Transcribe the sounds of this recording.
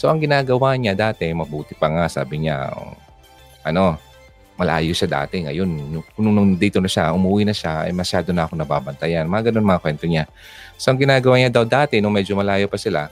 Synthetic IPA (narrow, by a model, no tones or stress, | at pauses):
so̞ʔɐŋɡɪnaːɡɐwaːɲad̪aːt̪ɛmɐbuːt̪ɪpɐŋasa̰ːbɪɲa̰ | ʔɐno̞ | mɐlʔa̰ːjoʃad̪a̰ːt̪ɛŋɐ̰jo̞nːʊʊnʊŋnʊŋd̪iːt̪o̞nɐʃaʔʊmuʔuːwinɐʃaʔɐ̰jmɐʃjaːd̪onɐʔɐkonɐba̰ːbɐnt̪ɐjanmɐŋaɡɐnonmɐŋɐkwɛnt̪oɲa | soʔɐŋɡɪnaːɡɐwaːɲad̪ɐwd̪aːt̪ɛnʊŋmɛd͡ʒomɐlaːjopɐsɪla̰